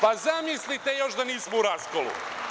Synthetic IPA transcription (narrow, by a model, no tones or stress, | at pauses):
pazamislit̪ejo̞ʃd̪aniːsmouɾaskolˠṵ